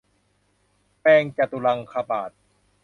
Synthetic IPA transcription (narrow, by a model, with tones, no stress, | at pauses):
pɛː˧ŋt͡ɕa˨˧˩t̪u˧la˧ŋkʰa˧paː˨˩t̪̚